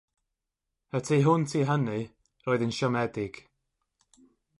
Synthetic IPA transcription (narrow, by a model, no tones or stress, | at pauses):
ətʰiːɦʊntʰiːɦənɨ | rɔːɨðɪnʃɔmɛdɪɡ̥